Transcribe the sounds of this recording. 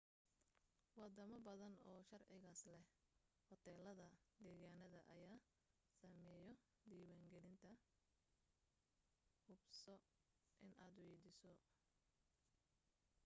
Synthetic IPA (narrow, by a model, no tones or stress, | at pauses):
wɑd̪ɐmɐbɐðɐnɔːʃɐrʕɪɣaːslɛhhɔt̪ʰɛːlɐðɐd̪ɛːɣaːnɐðɐʔɐjaː | sɐmɛːjɔ | d̪iːwaːŋɡɛlɪnt̪ʰɐ | hʊbsɔ | ʔɪnaːd̪ʊwɛjd̪ɪsɔ